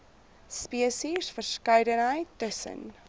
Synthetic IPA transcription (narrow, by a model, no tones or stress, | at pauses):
spiəsisfərskɐɥdənɦəjtːəsə̰n